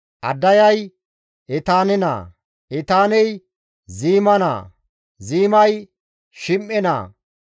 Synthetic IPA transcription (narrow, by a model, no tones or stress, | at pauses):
ʔɐd̪ːɐjɐj | ɛt̪aːnɪna̰ː | ɛt̪aːnɛj | ziːmɐna̰ː | ziːmɐj | ʃɪmʔːɛna̰ː